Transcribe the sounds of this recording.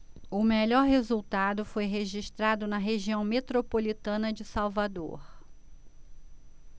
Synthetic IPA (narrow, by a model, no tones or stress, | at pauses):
ʊmeʎɔɾɦezuwt̪ad̪ʊfojɦeʒiʃt̪ɾad̪ʊnɐɦeʒiɐ̃w̃met̪ɾopolit̪ɐ̃nɐd͡ʒɪsawvad̪o̰ɾ